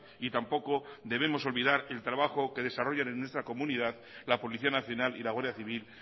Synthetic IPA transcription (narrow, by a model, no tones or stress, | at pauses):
it̪ampo̞ko̞d̪e̞β̞e̞mo̞so̞lβiðaɾe̞lt̪ɾaβaxo̞ke̞ð̞e̞saro̞ʝanenːwe̞st̪ɾako̞muniðað | lapo̞liθianaθjo̞nalḭlaɣwaɾðjaθiβil